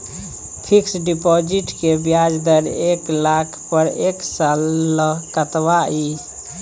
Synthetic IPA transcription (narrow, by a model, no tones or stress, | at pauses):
pʰiksɖipod͡ʒiʈkebjad͡ʒd̪əɾeklakʰpəɾeksalːəkət̪bai